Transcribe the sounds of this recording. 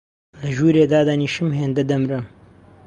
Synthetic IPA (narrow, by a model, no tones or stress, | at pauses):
lɐʒuːɾeːd̪aːd̪aniːʃɨmɦeːnd̪ɐd̪ɐmɾɨm